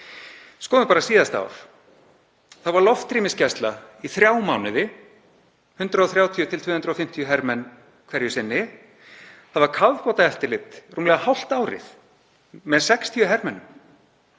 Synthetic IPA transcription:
skɔːðʏpaːɾasiːðast̪a̰wɾ̥ | θawvaɾlɔft̪ːɾiːmɪscɛst̪laiθɾjaːwmaːwnɪðɪ | hʏnt̪ɾaɔθɾjaːwt̪ʰjʏt̪ʰɪlt̪vʏːhʏnt̪ɾaɔfɪm̥t̪ʰjʏɦɛɾmɛnː | kʰvɛɾjʏsɪnːɪ | θaðvaɾkʰawðpɔt̪aɛft̪ɪlɪt̪ruːmlɛɣahawl̥t̪aːwɾɪ̰θ | mɛðsɛkst̪ʰiʏɦɛɾmɛnːʏm

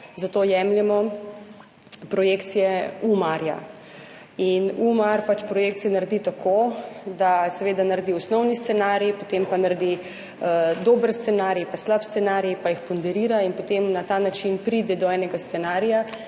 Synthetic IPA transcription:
zat̪oːjɛmljɛmɔ | pɾɔjekt̪sijɛumaɾja̰ | inumaɾpat͡ʃpɾɔjeːkt̪sijɛnaɾd̪it̪akʰod̪asɛʋeːd̪anaɾd̪iɔsnɔwnist̪sɛnaːɾipot̪empanaɾed̪i | əd̪oːbəɾst̪sɛnaːɾjpaslapst̪sɛnaːɾijpajixpɔnd̪ɛɾiːɾainpot̪emnat̪aːnat͡ʃinpɾid̪ɛd̪ɔɛnɛɡast̪sɛnaːɾija

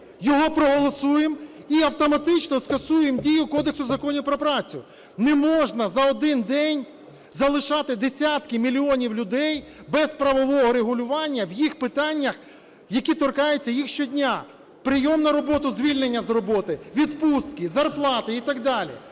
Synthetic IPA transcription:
jɔɦɔpɾɔɦɔlˠɔsujemiɐwt̪ɔmɐt̪ɪt͡ʃnɔskɐsujemdʲijʊkɔd̪eksʊzɐkɔnʲɪpɾɔpɾɑt͡sʲʊ̰ | nɛmɔʒnɐzɐɔd̪ɪnd̪ɛnʲ | zɐlˠɪʃɑt̪ɪd̪esʲat̪kɪmʲilʲiɔnʲiwlʲʊd̪ɛjbɛzpɾɐʋɔʋɔɦɔɾeɦʊlʲʊʋɑnʲːɐwjixpɪt̪ɑnʲːɐx | jɐkʲit̪ɔrkɑjʊt͡sʲːɐjixʃt͡ʃɔdʲnʲa | pɾɪjɔmnɐɾɔbɔt̪ʊzʲʋʲilʲnenʲːɐzɾɔbɔt̪ɪʋʲid̪pust̪kɪzɐrplˠɑt̪ɪit̪ɐɡ̚d̪ɑlʲḭ

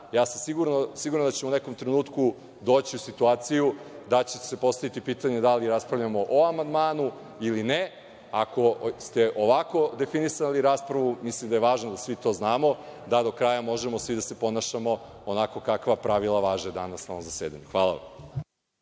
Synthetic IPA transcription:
jaːsamsiɡuɾnosiɡuɾand̪at͡ɕemouneko̞mt̪ɾenuːt̪ku | d̪oːt͡ɕiusit̪uaːt̪sijud̪at͡ɕese̞po̞st̪aʋit̪ipiːt̪aɲe̞d̪aliɾaspɾavʎamo̞ʔoamand̪maːnu | iline | ako̞st̪eʔoʋako̞d̪e̞finisaliɾaːspɾaʋumislimd̪ajeʋaːʒnod̪asʋit̪o̞ːznaːmo̞d̪ad̪o̞kɾajamo̞ʒemo̞sʋid̪ase̞po̞naʃamo̞ | onako̞kakʋapɾaʋilˠaʋaːʒed̪anasnoʋomzaseːd̪a̰ɲuxʋaːlˠa̰ʋa̰m

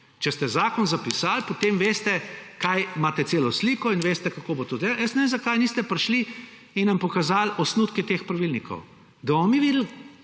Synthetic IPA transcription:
t͡ʃɛst̪ɛzaːkɔnzapisaːlpot̪eːmʋeːst̪ɛkajmaːt̪ɛt̪seːlɔsliːkɔinʋeːst̪ɛkakoːbot̪oːd̪eːaljəsnɛʋeːmzakajniːst̪ɛpɾʃliː | nnɐmpɔkazalɔsnuːt̪kɛt̪expɾaʋilnikʰɔ̰w | d̪ɐbɔmɔmiʋiːd̪l̩

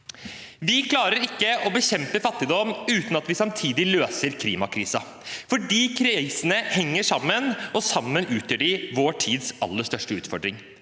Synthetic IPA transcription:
ʋɪkʰlɑːɾəɾɪkːəʔɔbəɕɛmpəfɑt̪ːɪd̪ɔmʉːt̪nɑt̪ʋɪsɑmt̪ʰiːd̪ɪløːsəɾkʰliːmɑkʰɾiːsɑ | fɔɖiːkʰɾsnəhɛŋːəʂɑmːənɔsɑmːənʉːt̪ʰjəːɖɪʋoːʈʰiːd̪sɑ̰lːəʂt̪œʂʈəʉ̰ːt̪fɔɖɾɪŋ

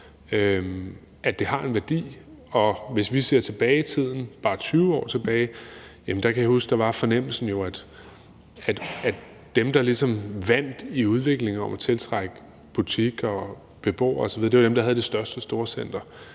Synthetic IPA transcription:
ø | ʔæd̥e̝hɑ̈e̝nʋæɐd̥ḭːɒ̽ʋe̝sʋise̝ɐ̰t͡sʰe̝b̥ɛːɪit͡sʰið̞̰ˠn̩b̥ɑ̈ːt͡sʰyːʊəɒ̰ːt͡sʰe̝b̥ɛːɪjæmnd̥ɑkʰæjɑ̈husɡ̥d̥ɑ̈ʋɑ̈fɒ̽nem̰l̩sn̩jo̝æd̥ | æd̥æ̥ | d̥emd̥ɑ̈lisɒ̽mʋæn̰d̥iuð̞ˠʋe̝ɡ̥le̝ŋ̩ɒ̽mæt͡sʰe̝lt͡sʰʁɑɡ̥ə | b̥ut͡sʰiɡ̥ɒ | b̥e̝b̥o̰ːɐɒsɒ̽ʋiðˠde̝ʋad̥emd̥ɑɦæð̞ˠde̝sd̥ɶɐsd̥əsd̥o̝ːɐsen̰d̥ɐ

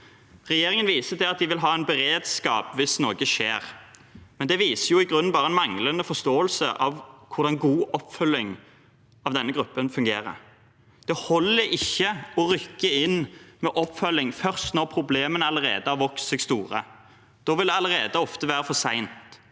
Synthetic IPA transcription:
ʁɛjeːɾɪŋənʋiːsət̪ɪlɑt̪̚d̪ɪʋɪlɦɑːæɪnbɛʁeːd̪skɑːpʋɪsnoːɡəʃeːʁmɛnd̪ɛʋiːsəjʊɪɡʁʉnːbɑːʁəɛnmɑŋlənəfɔst̪oːəlsəʔɑʋkʰʊɾd̪ɑnɡuːʔɔpːfœlɪŋ | ɑʋd̪ɛnːəɡɾʉpːənfʉŋɡeːɾə̰ | d̪̥ɛhɔlːəɪçːəɔʁʏkːəɪnmɛʔɔpːfœlːɪŋfœʁst̪nɔʁpʰɾʊbleːmənəɑləʁḛːd̪əɑʋɔkssɪɡst̪uːʁə̰ | d̪̥oːʋɪld̪ɛɑləʁeːd̪əɔft̪əʋæːɾəfɔsæɪnt̪

